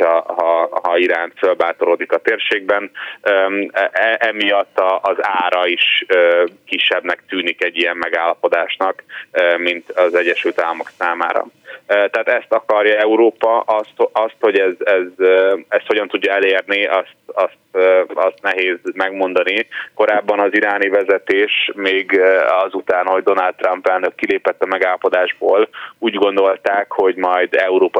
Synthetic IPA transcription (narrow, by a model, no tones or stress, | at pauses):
ɒɦɒhɒiɾaːnt̪følbaːt̪oɾoːd̪ikɒt̪eːrʃeːɡ̚bɛnøɛʔɛmijɒt̪ːɒʔːzaːɾɒiʃøːkiʃːɛbnɛk̚t̪yːnikɛɟːijɛmmɛɡaːlːɒpo̞d̪aːʃnɒkømint̪ɒzɛɟːɛʃylt̪aːlːɒmo̞ksaːma̰ːɾɒ̰øt̪ɛaat̪ɛst̪ɒkɒɾjɒɛuɾoːpɒʔɒst̪oʔɒst̪ho̞ɟɛzɛzɛst̪hoɟɒnt̪uɟːɒɛleːrniʔɒst̪ɒst̪ːɒst̪nɛɦeːzmɛɡmo̞n̪d̪ɒniko̞ɾaːbːɒnɒziɾaːnivɛzɛt̪eːʃmeːɡɒzut̪aːnho̞ɟd̪o̞nald̪̚ːrɒmpɛlnøkːileːpɛt̪ːɒmɛɡaːlɒpo̞d̪aːʒboːluːɟɡo̞nd̪o̞lt̪aːkho̞ɟmɒjd̪ɛuɾoːpɒ